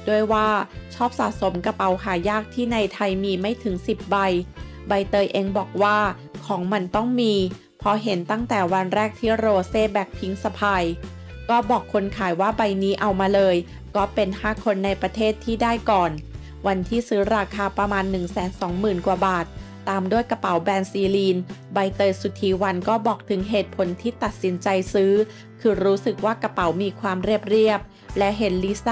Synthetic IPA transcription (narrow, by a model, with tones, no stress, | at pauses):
du˥˩əjwaː˥˩t͡ɕʰɔː˥˩p̚sa̰ː˨˩t̪̚so˩˦mka˧p̚a˨˦whaː˩˦jaː˥˩k̚t̪ʰiː˥˩na˧jt̪ʰa˧jmiː˧ma˥˩jt̪ʰɯ˩˦ŋsi˨˩p̚ba˧j | ba˧jt̪ɤː˧jʔe˧ŋbɔː˨˩k̚waː˥˩ | kʰɔː˩˦ŋma˧nt̪ɔ˥˩ŋmiː˧ | pʰɔ˦˥ɦe˩˦nt̪a˥˩ŋt̪ɛː˨˩wa˧nɾɛː˥˩k̚t̪ʰiː˥˩ɾoː˧seː˥˩bɛː˨˩k̚pʰi˦˥ŋsa˧pʰaː˧j | kɔː˥˩bɔː˨˩kʰːo˧nkʰaː˩˦jwaː˥˩ba˧jniː˦˥ʔa˧wmaː˧lɤː˧j | kɔː˥˩pe˧nhaː˥˩kʰo˧nːa˧jpɾa˧t̪ʰeː˥˩t̪ʰːiː˥˩daː˥˩jkɔː˨˩n | wa˧nt̪ʰiː˥˩sɯː˦˥ɾaː˧kʰaː˧pɾa˧maː˧nːɯ˨˩ŋsɛː˩˦nsɔː˩˦ŋmɯː˨˩nku˨˩baː˨˩t̪̚ː | aː˧mdu˥˩əjka˧pa˨˩˦wbɛː˧nsiː˧liː˧nba˧jt̪ɤː˧jsu˨˩t̪ʰːiː˨˦wa˧nkɔː˥˩bɔː˨˩k̚t̪ʰɯ˩˦ŋɦeː˨˩t̪̚pʰo˩˦nt̪ʰiː˥˩t̪a˨˩t̪̚si˩˦nt͡ɕa˧jsɯː˦˥ | kʰɯː˧ɾuː˦˥sɯ˨˩k̚waː˥˩ka˧pa˩˦wmiː˧kʰwaː˧mɾi˥˩əp̚ɾi˥˩əp̚ | lɛ˦˥ɦe˨˦nliː˦˥sa˥